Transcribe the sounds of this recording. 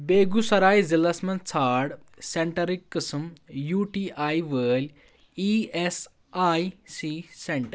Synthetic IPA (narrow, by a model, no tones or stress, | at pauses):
beːɡusɐɾaːizilɐsmɐnt͡sʰaːɽ | seɳʈɐɾikːɪsmjuːʈiːʔaːiʋəːlʲ | ies | aːisiseɳʈɐɾ